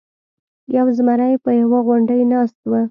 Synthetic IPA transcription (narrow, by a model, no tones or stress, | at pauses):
jawzmaɾajpəjawaɣʊɳɖəjnɑst̪wə